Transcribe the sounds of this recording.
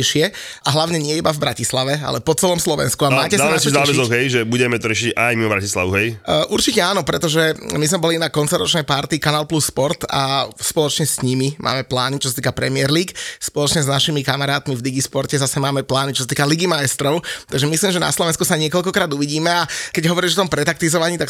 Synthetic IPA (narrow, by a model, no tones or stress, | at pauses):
ʃɪɛ | aɦlaʊɲɛɲɪɛibavbɾacislaʋɛa̰lɛpɔt͡sɛlɔmslɔʋɛ̰nskuamaːcɛsd̪anɛasiɔzaːɛzɔɣɦɛjʒɛbuɟɛmɛt̪ɔɾɪɛʃicajmimɔbɾacisla̰ʋuɦɛjʔuɾt͡ʃicɛaːnɔpɾɛt̪ɔʒɛmizmɛbɔlinakɔnt͡sɔɾɔt͡ʃnɛjpaɾt̪ikanaːlˠplusːpɔɾt̪a̰spɔlɔt͡ʃɲɛsɲimimʔa̰ːmɛplaːnit͡ʃɔsat̪iːkapɾɛmɪɛɾliːkspɔlɔt͡ʃɲɛznaʃimikamaɾaːt̪mivd̪iɡispɔɾcɛzasɛmaːmɛplaːnit͡ʃɔsat̪iːkaliɡimaɛst̪ɾɔʊt̪aɡʒɛmisliːmʒɛna̰slɔʋɛnskusaɲɪɛkɔʎkɔkɾaːd̪uʋiɟiːmɛakɛɟɦɔʋɔɾiʒɔt̪ɔmpɾɛt̪akt̪izɔʋaɲiːt̪ak